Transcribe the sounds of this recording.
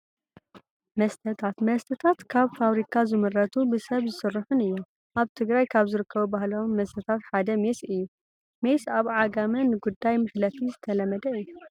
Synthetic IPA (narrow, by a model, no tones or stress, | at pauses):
mɐst̪ʰɐt̪ʰat̪mɐst̪ʰɐt̪ʰat̪kʰaβfaβɾikʰazɨmɨrːɐt̪ʰubɨsɐβzɨsɨrːɨħʊnɨjːu | ʔaβt̪ʰɨɡɾajkʰaβzɨɾɨkʰːɐβubahlomːɐst̪ʰɐt̪ʰat̪ħad̪ɐmesɨjːu | me̞saβʕaɡamɐnɨɡud̪ːajmɨħlɐt̪ʰizɨt̪ʰɐlɐmːɐd̪ɐɨjːu